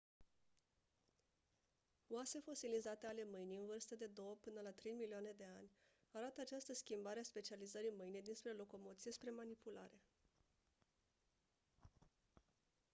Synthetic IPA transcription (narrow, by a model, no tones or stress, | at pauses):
wase̞fo̞silizat̪eale̞mɨjnijɨnvɨrst̪əd̪e̞d̪o̞wəpɨnəlat̪ɾe̞jmilioane̞d̪e̞anʲ | aɾat̪əat͡ʃast̪əskʲimbaɾeaspe̞t͡ʃializəɾimɨjnijd̪inspɾe̞lo̞ko̞mo̞t̪sije̞spɾe̞manipula̰ɾe̞